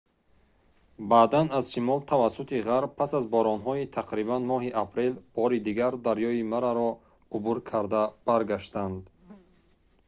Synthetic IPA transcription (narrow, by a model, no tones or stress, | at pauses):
baːd̪anazʃimɔlt̪ʰavasːut̪ʰiʁaɾb̚pʰːasazbɔɾɔnɦɔit̪ʰaqɾibanmɔɦiʔapʰɾe̞lb̥ɔɾid̪iɡaɾd̪aɾjɔimaɾaɾɔ | ubuɾkʰaɾd̪ab̥aɾɡaʃt̪and̪